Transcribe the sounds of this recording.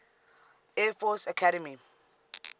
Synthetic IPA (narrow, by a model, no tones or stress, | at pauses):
ɛfɔsakʰaɾɛmi